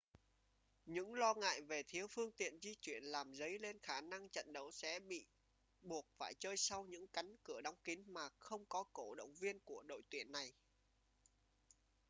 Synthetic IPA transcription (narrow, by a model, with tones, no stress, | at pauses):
ɲɨ̰˧˥ŋlɔ˧ŋa̰ː˧˨jve˨˩t̪ʰi˨˦əwfɨ˧əŋt̪ḭ˧˨ənzi˧t͡ɕwi˧˩ənlaː˨˩mzə˨˦jle˧nxaː˧˩na˧ŋt͡ɕə̰˧˨nɗə˨˦wsɛ̰˧˥ɓḭ˧˨ | ɓu˨˩ət̚faː˧˩jt͡ɕəː˧jsa˧wɲɨ̰˧˥ŋka˨˦jŋ̟kɨ˧˩əɗa˨˦wŋ͡mki˨˦ŋmaː˨˩xə˧wŋ͡mkɔ˨˦ko˧˩ɗə̰˧˨wŋ͡mvi˧ənku˧˩əɗo̰˧˨jt̪wi˧˩ənːa˨˩j